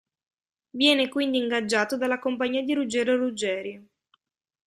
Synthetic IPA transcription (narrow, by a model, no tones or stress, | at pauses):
vjɛːnekwind̪iːŋɡad͡ʒːaːt̪od̪alːakompaɲːiːad̪iɾud͡ʒɛːɾorud͡ʒɛːɾjo